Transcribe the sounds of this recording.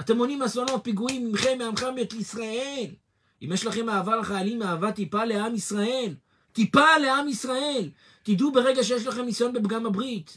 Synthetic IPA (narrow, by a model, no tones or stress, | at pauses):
at̪e̞mo̞nimaslono̞t̪̚piɡuimimχe̞mːeamχameetliisʁae̞l | ḭmjeʃlaχe̞maːvalaχajalimaːvat̪ipale̞amisʁae̞l | t̪ipale̞amisʁae̞l | t̪id̪ube̞ʁeɡaʃeje̞ʃ̬laχe̞mːisajo̞nbe̞bɡamabʁit̪